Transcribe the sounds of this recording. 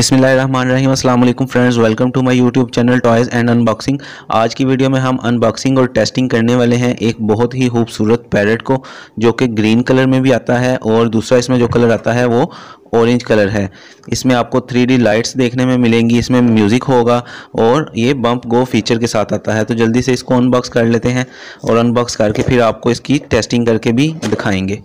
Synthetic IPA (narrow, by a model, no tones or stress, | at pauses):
ɪsmɪlːaːɦeɾɐɦmaːnɾɐɦiːmɐsɐlaːmɐleːkʊ̃mfɾɛ̃ɳɖzʋɛlkə̃mʈumaːɪjuːʈjuːb̚t͡ʃɛːnəlʈɔːɪzɛ̃ːɳɖɐ̃nbɔːksɪ̃ŋɡ | a̰ːd͡ʒkiʋiːɖijomẽɦɐmɐ̰̃nbɔːksɪ̃ŋɡɔːɾʈeːsʈɪ̃ŋɡkɐɾneʋaːleɦɛ̃ʔeːk̚bɔɦʊt̪ɦixuːbsuːɾət̪̚pɛːɾəʈkod͡ʒoːkeɡɾiːnkɐləɾmẽbʱiaːt̪aɦɛʔɔːɾd̪uːsɾaɪsmẽd͡ʒoːkɐləɾaːt̪aɦɛʋo | ɔːɾẽːɲd͡ʒkɐləɾɦɛː | ɪsmẽaːp̚kot̪ʰɾiːɖeːlaːɪʈsd̪eːkʰnemẽmɪlẽːŋɡiɪsmẽmjuːzɪkɦoːɡaːɔːɾjebɐ̃mpɡoːfiːt͡ʃəɾkesaːt̪ʰaːt̪aɦɛt̪od͡ʒɐld̪iseɪskoənbɔːkskɐɾleːt̪eɦɛ̃ː | ɔ̰ːɾɐ̃nbɔːkskɐɾkepʰɪɾaːp̚koɪskiʈeːsʈɪ̃ŋɡkɐɾkebʱiɖɪkʰaːẽːŋɡeː